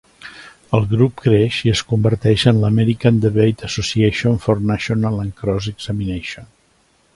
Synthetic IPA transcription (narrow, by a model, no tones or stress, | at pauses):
əlˠɣɾupkɾeʃiəskumbəɾt̪ɛʃənləmɛɾikand̪əβejt̪əsusieʃonfɔrnaʃonalə̃ŋkɾɔzəɡzamineʃon